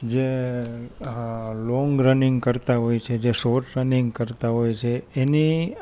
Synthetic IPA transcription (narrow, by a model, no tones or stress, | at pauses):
d͡ʒe | lɔŋɡɾəniŋɡkəɾt̪aɦojt͡ʃʰed͡ʒesoʈɾəniŋɡkəɾt̪aɦojt͡ʃʰeeni